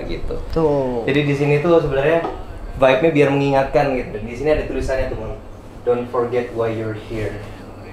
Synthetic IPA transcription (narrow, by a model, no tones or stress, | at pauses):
ɡḭt̪ṵod͡ʒadidis̬iniːt̪us̬əbənarɲavajp̚ɲabiarməŋiŋat̪̚kanɡit̪udandisiniadat̪ulisanɲat̪umʊn | d̥onfɔrɡɛt̪̚wajjɔrhir